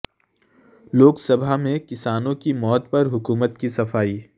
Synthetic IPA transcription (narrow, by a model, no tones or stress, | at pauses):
loːksɐbʱamẽkɪsaːnõkimɔːt̪̚pɐɾɦʊkuːmət̪̚kisɐfaːiː